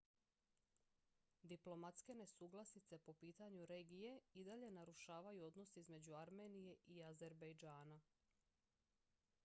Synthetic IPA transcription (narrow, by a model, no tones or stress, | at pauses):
d̪iplˠo̞mat̪ske̞ne̞suːɡlˠasit̪se̞po̞piːt̪aɲuɾeːɡije̞id̪aʎe̞naɾuʃaːʋajuo̞d̪nosizme̞d͡ʑuaɾme̞ːnije̞ʔiaze̞ɾbajd͡ʒaːna